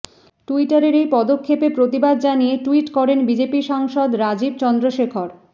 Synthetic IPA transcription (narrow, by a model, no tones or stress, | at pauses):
ʈuiʈaɾeɾejpɔd̪okʰːepepɾot̪ibad̪̚d͡ʑanieʈuiʈkɔɾenbid͡ʑepiʃaŋʃod̪ɾad͡ʑib̚t͡ɕɔnd̪ɾoʃekʰoɾ